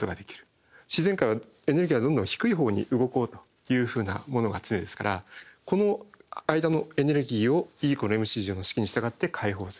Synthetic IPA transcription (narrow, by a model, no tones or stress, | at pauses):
kot̪o̞ɡad̪e̞kʲi̥ɾɯ̟̥ | ɕize̞ŋkaɾiβa | e̞neɾɡʲiβad̪õ̞nd̪õçi̥kɯ̟iɦo̞ːɲ̟ḭʔɯ̟ɡo̞ko̞ːt̪o̥ | jɯ̟ːɸɯ̟ːna̰mo̞no̞ɡa̰t͡sɨnmed̪e̞sɨ̥kaɾako̞no̞aid̪ano̞e̞ne̞ɾɯ̟ɡʲiːo̞iːkono̞e̞mɯ̟ɕiːʑonoɕi̥kʲiɲ̟iɕi̥t̪aɡat̪ːe̞kʰaiɦo̞ːsɨɾɯ̥